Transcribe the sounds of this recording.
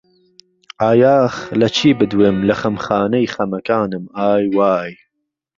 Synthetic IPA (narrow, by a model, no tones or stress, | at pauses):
aːjaːxlɐt͡ʃʰiːbɨd̪wemlɐχɐmχɑːnɐjχɐmɐkaːnɨmaːjwaːj